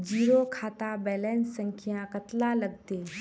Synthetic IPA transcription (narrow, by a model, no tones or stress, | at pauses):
d͡ʒiːɾokʰaːt̪abɛːlɛːnsə̃ŋkʰɪjãkət̪laləɡ̚t̪e